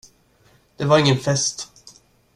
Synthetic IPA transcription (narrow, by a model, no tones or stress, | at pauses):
d̪̥ɛvaɾɪŋːənfɛst̪